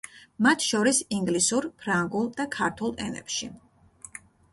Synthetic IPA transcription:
mat̪ʰʃɔɾisiŋɡlisuɾpʰɾaŋɡulˠd̪akʰaɾt̪ʰulˠɛ̰nɛ̰pʃi

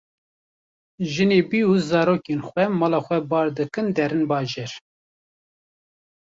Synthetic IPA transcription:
ʒɨneːbiːuzɑːɾoːkenxʷwɛmɑːlɑːxʷɛbɑːɾd̪ɨkɨnd̪ɛɾɨnbɑːʒeɾ

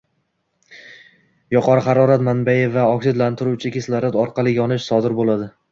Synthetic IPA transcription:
jɒqʰɒɾχɑɾɒɾat̪manbajɪvaɒksɪd̪lant̪ʰɪɾut͡ʃʰɪkʲʰeslaɾad̪ɒɾqʰɑlˠɪɡʲɒnɪʃsɒd̪ɪɾbolˠad̪ɪ

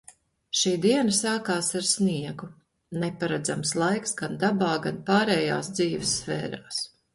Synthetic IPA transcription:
ʃiːd̪iɛnasaːkaːsaɾsniɛɡu | nɛpaɾad̪zamslˠajksɡand̪abaːɡanpaːɾɛːja̰ːsd̪ziːvɪsːfɛ̰ːɾaːs

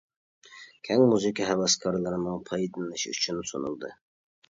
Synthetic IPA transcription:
kʲʰɛŋmuzɨkʰɑɦɛwɑskʰɑɾlˠɨɾɨmɨŋpʰɑjd̪ɨnɨʃy̰t͡ʃʰynsonulˠd̪ɨ

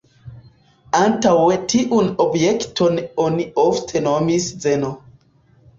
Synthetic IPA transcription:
ãntawetʰiʔunobjektʰɔnoniɔftʰenomiszeno

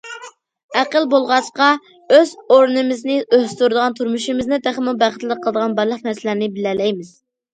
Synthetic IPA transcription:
æqəlˠbolˠʁɑt͡ʃqɑ | øzoɾnɨmɪznɪʔøhst̪uɾd̪əʁɑnt̪ʰuɾmuʃimɪznɨd̪æχmubæχət̪lɪqʰːəlˠəd̪əʁɑnbɑɾlˠəqmɛsɪlænɪbɪlɛlɛjmɪz̥

